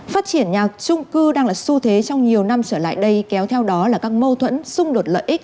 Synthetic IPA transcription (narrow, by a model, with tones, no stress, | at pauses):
faː˦˥t̚t͡ɕi˧˩ənɲaː˨˩t͡ɕʊ˧ŋ͡mkɨ˧ɗaː˧ŋlaː˨˩su˧t̪ʰe˨˦t͡ɕɔ˧wŋ͡mɲi˨˩əwna˧mt͡ɕəː˧˩la̰ː˧˨jɗə˧jkɛ˨˦wt̪ʰɛ˧wɗɔ˨˦laː˨˩kaː˦˥k̚mo˧t̪ʰwə̰˧˥nsʊ˧ŋ͡mɗo˨˩t̚lə̰ː˧˨ʔi˦˥k̟̚